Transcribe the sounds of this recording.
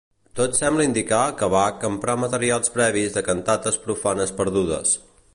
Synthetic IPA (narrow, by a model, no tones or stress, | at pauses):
t̪ot̪sɛmbləind̪ikakəβakəmpɾamət̪əɾialˠspɾɛβ̞izðəkənt̪at̪əspɾufanəspəɾðuðə̰s